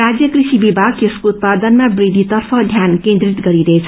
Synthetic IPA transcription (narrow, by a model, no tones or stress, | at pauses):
ɾad͡zjʌkrisibibʱaɡ̚keskout̪̚pad̪ʌnmabɾid̪ʱit̪ʌrpʰʌd̪ʱjankẽnd̪ɾit̪ɡʌɾiɾʌɦet͡sʰʌ